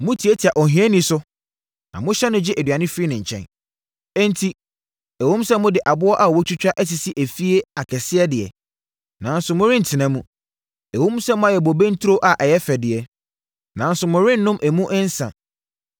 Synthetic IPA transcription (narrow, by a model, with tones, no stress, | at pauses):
mʊ̃˦tʰi˨e˦tʰi˨a˨ʔɔ˨ɦĩ˦ɛ˦nĩ˦sʊ˦ | nã̰˨mʊ̃˦ɕɛ˦nʊ̃˦d͡ʑɪ˦ʔæ˨dɥa˨nɪ̃˦fɾi˦nɪ̃˨ɲ̩˨t͡ɕʰɛ̰̃˦n | ɛ̃˦n˦tʰi˦ | æ˨wõ˦m˦sɛ˦mʊ̃˦dɪ˨ʔa˨bʊ˦ɔ˦ʔa˨wɔ˦t͡ɕʰᶣu˦t͡ɕᶣa˦ʔɛ˦s̬i˨si˦ʔæ˨fi˦e˦a˨kʰɛ˨sɪ˦ɛ˦dɪ˨ɛ̰˨ | nã˨n˦sʊ˨mʊ̃˦ɾɪ̃˦n̩˨tʰɪ˨nã˨mũ˦ | æ˨wõ˦m˦sɛ̃˦mʊ̃˦a˨jɛ˨bɔ˨be˦n̩˦tʰɾo˦ʔa˨ʔɛ˨jɛ˦fɛ˨dɪ˨ɛ˨ | nã˨n˦sʊ˨mʊ̃˨ɾɪ̃˦n̩ː˦ʊ̃˦mʔæ˨mũ˦ʔɛ̃˦n̩˦sã̰˨